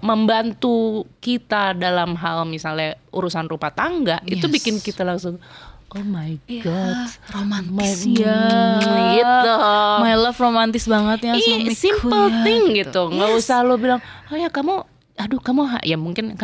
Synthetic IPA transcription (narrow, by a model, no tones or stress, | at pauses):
məmbant̪ukit̪adalamɦalmisalɲaʔuɾusanrupat̪aŋɡaʔit̪ubikɪnkit̪alaŋsʊŋʔomajɡɔt̪omamajanɡit̪umajləfromant̪ɪsbaŋət̪jaisimpəlt̪ɪŋɡit̪uŋɡausahlobilaŋojakamu | adukamuɦa̰ʔjamuŋkɪnk